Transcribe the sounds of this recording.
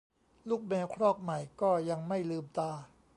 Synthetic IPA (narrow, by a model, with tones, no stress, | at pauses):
luː˥˩k̚mɛː˧wkʰɾɔː˥˩k̚ma˨˩jkɔː˥˩ja˧ŋma˥˩jlɯː˧mt̪aː˧